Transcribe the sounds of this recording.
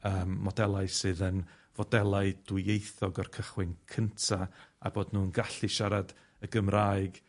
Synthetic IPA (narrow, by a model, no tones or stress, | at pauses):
əːmːɔdɛlˠaɨsɨːðən | vɔdɛlˠaɨd̥wʊejθɔɡɔrkʰəχwɪnkʰəntʰaa̰boːdnuːənɡaɬiʃaɾad | əɡəmraːɨɡ